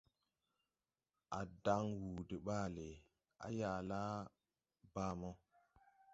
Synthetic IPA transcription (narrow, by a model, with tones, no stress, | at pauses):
a˨da˦ŋwu˨de˨ɓaː˦˨le˨ | a̰˨ja˨la˦ | baː˦mɔ˦